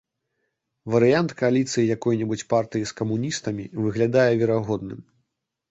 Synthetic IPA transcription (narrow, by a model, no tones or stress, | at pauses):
vɐɾɨjant̪kɐalʲit̪sɨjijakɔjnʲɛbut͡sʲpart̪ɨjiskɐmunʲist̪ɐmʲivɨɣlʲad̪ajɛvʲɛɾaɣɔd̪̚nɨm